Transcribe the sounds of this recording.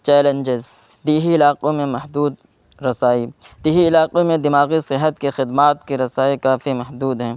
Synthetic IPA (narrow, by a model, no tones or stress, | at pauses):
t͡ʃɛːlẽnd͡ʒɪzd̪iːɦiɪlaːqomẽmɐɦd̪uːd̪ | ɾɐsaːi | d̪̥iːɦiɪlaːqemẽd̪ɪmaːɣisɪɦət̪kexɪd̪maːt̪̚kiɾɐsaːikaːfimɐɦd̪uːd̪ɦɛ̃ː